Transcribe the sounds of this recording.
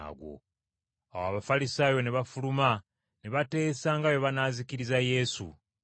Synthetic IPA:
a̰ɡwo̞̰ | awaβafalisaːjo̞neβafuluma | neβate̞ːsaŋɡaβjoβanaziciɾizaje̞sṵ

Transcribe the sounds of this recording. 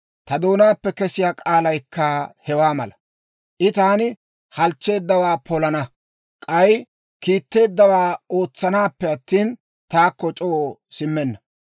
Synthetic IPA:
t̪ɐd̪o̞ːnaːpːɛkɛsɪjaːkʼaːlɐjkːahɛwaːmɐlɐ | ʔɪt̪aːnɪ | hɐlt͡ʃːe̞ːd̪ːɐwaːpɔlɐnɐ | kʼɐj | kiːt̪ːe̞ːd̪ːɐwaːo̞ːt͡sːɐnaːpːɛɐt̪ːiːn | t̪aːkːɔt͡ʃʼosɪmːɛnːɐ

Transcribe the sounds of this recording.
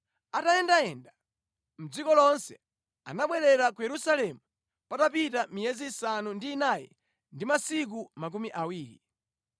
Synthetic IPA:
atajɛndaɛnda | m̩d͡zikɔlɔnsɛ̥ | a̰naɓwɛɾɛɾakujɛɾusalɛmu | patap̬itamijɛzisanundiːnajɛ̰ | ndimasik̬umak̬umiʔawiːɾḭ

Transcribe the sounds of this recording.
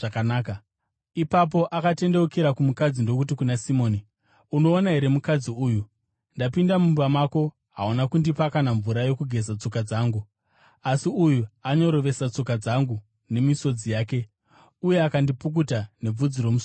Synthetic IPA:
akanaːka | ipap̬o̞ʔakate̞nde̞wukeɾakumukad͡zindo̞k̬ut̬ikunasimo̞ːni | uno̞ːnaɦe̞ɾe̞mukad͡ziuːju | ndapindamumbamako̞ | ɦaunakundipakanaɱvuɾajo̞kuɡʱe̞zat͡so̞kad͡zaːŋɡu | asiujuaɲo̞ɾo̞ʋe̞sat͡so̞kad͡zaŋɡu | ne̞miso̞d͡zijaːke̞ | uje̞akandipuk̬utane̞b͡vud͡ziɾo̞mus

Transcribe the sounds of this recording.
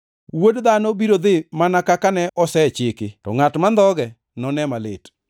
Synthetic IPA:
wodd̪anobiɾod̪ɪmanakakanɛʔɔsɛt͡ʃɪkɪtɔ̰ŋatmand̪ɔɡɛ | nɔnɛmalḛt

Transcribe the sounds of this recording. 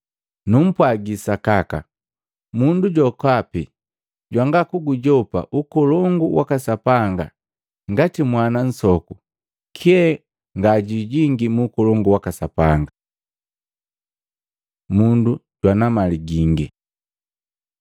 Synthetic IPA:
num̩pwaɡisakaka̰ | munduɟɔkapi | ɟwaŋɡakuɡuɟɔpa̰ʔukɔlɔŋɡuwakasapaŋɡa̰ | ŋɡatimwanan̩sɔku | kʰiɛ | ŋɡaɟiɟiŋɡimuːkɔlɔŋɡuwakasapaŋɡa | munduɟwanamaliɡiŋɡi

